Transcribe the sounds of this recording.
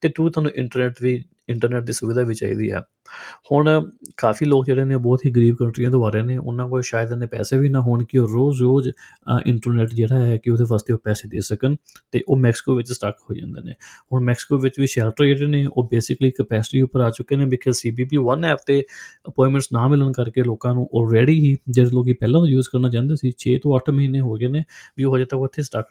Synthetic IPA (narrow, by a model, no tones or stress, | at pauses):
t̪eːt̪ũːt̪ʰaːnũːʔɪ̃ɳʈəɾnɛːʈʋiː | ɪɳʈəɾnɛːʈ̚d̪iːsʊʋɪd̪aːʋiːt͡ʃa̰ːḭːd̪ḭːɛ̰ː | hʊɳkaːfiːloːkd͡ʒeːɽeːneːoːbɔːt̪ɦiːɡəɾiːbkəɳʈɾijãːd̪oːaːɾãːneːʔʊ̰nãːkoːʃaːjəd̪neːpɛ̰ːseːʋiːnãːɦoːɳkɪoːɾoːzɾoːd͡ʒ | ʔɪ̰ɳʈəɾnɛːʈd͡ʒeːɽaːɦɛːkɪʊt̪ʰeːpəst̪eoːpɛːseːd̪ḛːsəkən | t̪ḛːʔoːmɛːksɪ̥koːʋɪt͡ʃsʈəkɦoːd͡ʒã̰ːnd̪ḛːnḛːhoːnmɛːksɪ̥koːʋɪt͡ʃʋiːʃɛːlʈɾoːd͡ʒeːɽeːneːʔoːbeːsɪkliːkəpɛːsɪ̥ʈiːʊpːəɾaːt͡ʃʊkːeːnẽːbɪkʰɔːzsiːbiːbiːʋənɛːpʰt̪eːəpɔːɪmə̃ɳʈsnãːmɪləɳkəɾkeːloːkãːnũːʔɔːlʋɛːɽiːɦiːd͡ʒeɾloːkiːpɛːlãːt̪ũːjuːzkəɾnaːt͡ʃãːnd̪eːsiːt͡ʃʰeːt̪õːəʈʰməɦiːneːɦoːɡeːneːʋiːoːɦəd͡ʒeːt̪əkːət̪ʰːeːsʈaːk